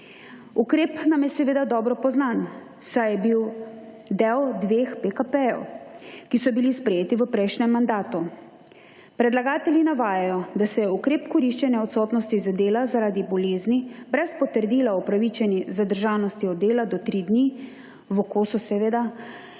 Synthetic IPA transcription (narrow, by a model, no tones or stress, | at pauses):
ukɾeːpnamjɛsɛʋeːd̪ad̪ɔːbɾɔpɔznan | sajɛbiw | d̪ɛwd̪ʋeːxpekapɛjɛ̰wkisɔbilispɾɛjeːt̪iʋəpɾɛjʃnɛmːand̪aːt̪u | pɾɛd̪laɡaːt̪ɛljinaʋaːjajɔd̪asɛjɛukɾeːpkɔɾiʃt͡ʃɛnjɛɔt̪sɔːt̪nɔst̪izad̪eːlazaɾaːd̪ibɔleːznibɾɛspɔt̪əɾd̪iːlaɔpɾaʋit͡ʃɛnizad̪əɾʒaːwnɔst̪iɔd̪d̪ːeːlad̪ɔt̪ɾid̪ni | ʋɔkosusɛʋeːd̪a